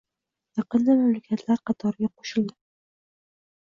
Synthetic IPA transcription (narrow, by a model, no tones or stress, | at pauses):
jɑqɤ̆nd̪amamlakʲʰat̪ʰlaɾqɑt̪ʰɒɾɡʲɑqo̥ʃɪ̆ld̪ɪ